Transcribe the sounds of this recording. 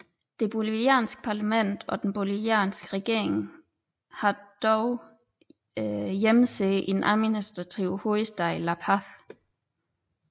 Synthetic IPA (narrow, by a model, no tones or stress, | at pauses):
d̥e̝b̥oliʋiɛ̰ːnsɡ̥ə̥pʰɑ̈læmen̰d̥ɒ̽d̥enb̥oliʋiɛ̰ːnsɡ̥əʁɛɡ̥e̝ɐ̰eŋ | hɑ̈d̥ɒʊ | jeməseʔe̝nʔæðˠminisd̥ʁɑ̈t͡sʰiʊho̝isd̥ɑ̈ɪlæpʰɑθ